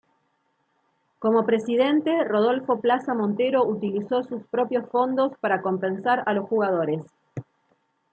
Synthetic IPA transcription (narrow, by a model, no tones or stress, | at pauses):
ko̞mo̞pɾesiðe̞nt̪e̞roð̞o̞lfo̞plasamõ̞nt̪e̞ɾo̞ʔut̪ilisosuspɾo̞pjo̞sfo̞nd̪o̞spaɾako̞mpe̞nsaɾalo̞sxuɣað̞o̞ɾes